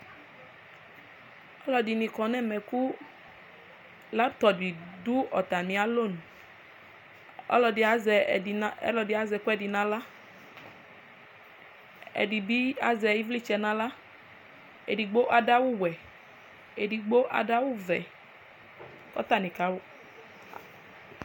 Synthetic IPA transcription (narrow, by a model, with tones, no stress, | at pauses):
ɔ˦lɔ˨di˨nĩ˨kɔ˨nɛ˦˨mɛ˨ku˦ | la˦t̪ɔ˨di˨du˦ɔ˨t̪a˨nĩ˨a˨lo˦˨nũ˨ | ɔ̰˦lɔ˨di˨a˨˦zɛ˨˦ɛ̰˦lɔ˨di˨a˨zɛ˨ku˦ɛ˨di˨nã˨la˦ | ɛ̰˨di˨bi˦a˨zɛ˨ji˦vli˦t͡ʃɛ˨˧nã˦la˦ | ḛ˨di˨ɡ͡bo˦ʔa˨da˦wu˦wɛ˨ | e˨di˨ɡ͡bo˦ʔa̰˨da˦wu˦vɛ̰˨ | kɔ̰˦t̪a˦˨nĩ˨ka˦wo˦˨